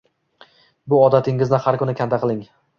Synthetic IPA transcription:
bʊɒd̪at̪ʰɪŋɪznɪhaɾkʊnɪkʲʰand̪aqʰɨlˠɪŋ

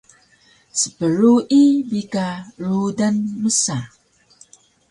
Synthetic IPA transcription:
sə̥pəɾuʔibikaɾudanməsa

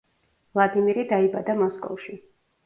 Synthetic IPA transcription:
vlˠad̪imiɾid̪aibad̪amɔskʼɔ̰fʃi

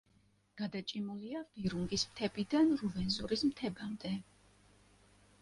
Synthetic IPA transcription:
ɡ̥ad̪at͡ʃʼimuliaviɾuŋɡismt̪ʰɛbid̪anɾuvɛnzuɾismt̪ʰɛbamd̪ɛ

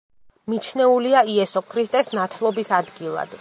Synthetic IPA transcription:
mit͡ʃʰnɛuliaiɛsɔkʰɾist̪ʼɛsnat̪ʰlˠɔbisad̪ɡilˠa̰d̪̥

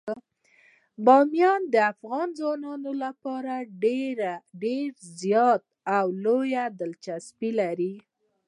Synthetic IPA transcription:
bɑmjɑnd̪əafɣɑnzwɑnɑnolapɑɾaɖeɾaɖeɾzjɑt̪̚ | awlojad̪əlt͡ʃaspilaɾi

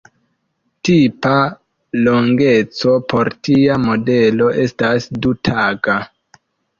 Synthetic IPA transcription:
tipa | lo̞ŋɡe̞t͡so̞pʰo̞ɾtiamo̞de̞lo̞ʔe̞stasdutʰaɡa

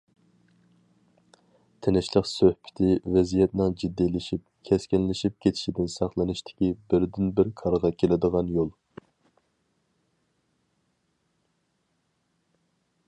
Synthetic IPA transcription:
t̪ʰenɪʃlˠəqsøhpʰɪ̥t̪ʰɪvɛzijɛt̪̚nɨŋd͡ʒid̪ːilɪʃip̚ | kʲʰɛskʲinlɪʃip̚kʲʰet̪ʰɪ̥ʃid̪ɪnsɑχlˠɨnɨʃt̪ʰɪ̥kʲibɪɾd̪ɪnbɪɾkʰɑɾʁɑkʲʰelɪd̪əʁɑnjolˠ

